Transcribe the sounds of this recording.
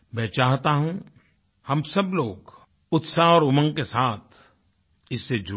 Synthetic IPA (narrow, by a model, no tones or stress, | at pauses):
mɛ̃ːt͡ʃaːɦt̪aɦũ | hɐmsɐbloːɡ | ʊt̪saɔːɾʊmə̃ŋɡkesaːt̪ʰ | ɪsːed͡ʒʊ